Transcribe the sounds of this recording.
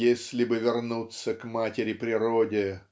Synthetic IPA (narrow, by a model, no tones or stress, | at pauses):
esʲlʲɪbɨvʲɪrnut̪səkmatʲɪɾʲɪpɾʲɪɾodʲɪ